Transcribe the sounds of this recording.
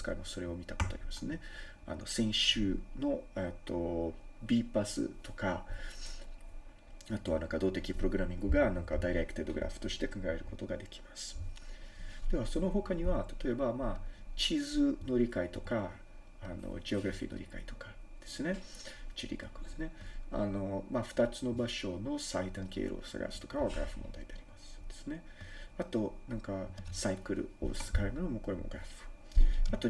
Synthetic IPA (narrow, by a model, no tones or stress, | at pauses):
sɨ̥ka̰ɾemoso̞ɾe̞o̞mʲit̪akot̪oa̰ɾimasɨne̞ | a̰no̞̰sẽ̞ɰ̃ɕɨːno̞et̪ʰːo̞bʲiːpasɨ̰t̪o̞ka | at̪o̞βanãŋkad̪oːt̪e̞kʲipɯ̟ɾo̞ɡɯ̟ɾamʲĩŋɡɯ̟ɡanãŋkad̪aiɾeikɯ̥t̪ed̪o̞ɡɯ̟ɾʔa̰ɸɯ̥t̪o̞ɕi̥t̪e̞kãŋɡae̞ɾɯ̟ko̞t̪o̞ɡad̪e̞kʲi̥masɨ̥ | d̪̥emaso̞no̞ɦo̞kaɲ̟iβat̪ḁt̪o̞e̞bamaːt͡ɕizɨno̞ɾʲikait̪o̞kaː | no̞̰d͡ʑio̞ɡɯɾaɸʲḭːnoɾʲikait̪o̞̥kḁ | d̪̥e̞̥sɨne̞t͡ɕiɾʲḭɡakɯ̟d̪esɨne̞a̰no̞maɸɯ̟̥t̪at͡sɨno̞baɕo̞no̞said̪ãŋkḛiɾʔo̰ːsa̰ɡa̰sɨ̥t̪o̞̥kaβaɡɯɾa̰ɸɯ̟mõ̰nd̪a̰id̪e̞aɾʲimasɨ̥d̪̥e̞sɨne̞ | at̪o̞nãŋkasaikɯ̟ɾɯ̟̰o̰sɨ̥kaɾenonomo̞ko̞ɾe̞mo̞̰ɡɯ̟ɾaɸɯ̟̥ | at̪o̞